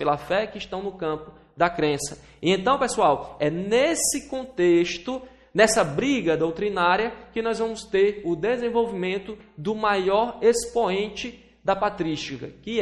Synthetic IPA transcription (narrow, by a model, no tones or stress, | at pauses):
pelɐfɛkɪɪʃt̪ɐ̃w̃nʊkɐ̃pʊ | d̪ɐkɾẽsɐ | iẽnt̪ɐ̃w̃pesuawɛnesɪkõt̪eʃt̪ʊ | nɛsɐbɾiɡɐd̪owt̪ɾinaɾjɐkɪnɔjzvɐ̃mʊst̪eɾʊd̪ezẽvowvimẽnt̪ʊd̪ʊmajɔɾespoẽt͡ʃɪ | d̪ɐpat̪ɾiʃt͡ʃikɐkɪ